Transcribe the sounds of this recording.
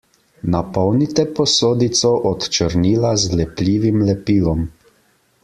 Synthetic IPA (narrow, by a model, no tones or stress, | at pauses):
napɔwnit̪ɛpɔsoːd̪it̪sɔʔɔt̪t͡ʃəɾniːlazlɛplʲiːʋimlɛpiːlɔm